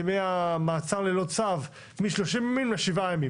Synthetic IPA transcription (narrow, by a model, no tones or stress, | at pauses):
meamaːt͡saʁlelot͡sav | miʃloʃimjamilleʃivajami